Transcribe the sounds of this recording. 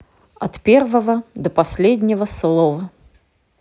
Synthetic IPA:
ɐt̪pʲervəvəd̪əpɐsʲlʲed̪ʲnʲɪvəslˠɔvə

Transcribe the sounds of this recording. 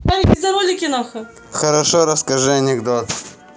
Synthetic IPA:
ɐɾʲɪbʲɪzɐɾolʲɪkʲɪnaxɨ | xɐɾɐʂoɾɐskɐʐɨɐnʲɪɡd̪ot̪

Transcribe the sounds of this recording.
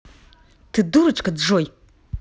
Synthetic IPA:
tʰɨduɾɨt͡ʃʼkadʐoj

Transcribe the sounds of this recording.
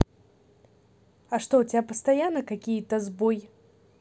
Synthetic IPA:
ɐʂt̪ɔut͡sʲapəst̪ajanːɐkakʲijit̪ɐzbɔj

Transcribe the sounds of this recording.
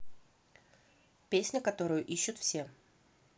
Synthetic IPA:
pʲesʲnʲəkɐt̪o̞ɾʊjʊʔiɕːʊt̪fsʲe

